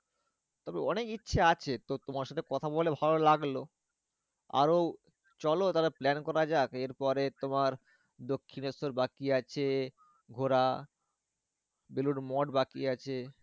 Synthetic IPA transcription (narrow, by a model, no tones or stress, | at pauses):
t̪ɔbeɔnekitːɕʰaat͡ɕʰet̪ot̪omaɾʃat̪ʰekɔt̪ʰabolebʱalolaɡlo | a̰ɾo | t͡ɕɔlot̪aɾeplɛnkɔɾad͡ʑakeɾpɔɾet̪omaɾ | d̪okʰːinɔsoɾbakiat͡ɕʰe | ɡʱoɾa | beluɾmɔʈbakiat͡ɕʰe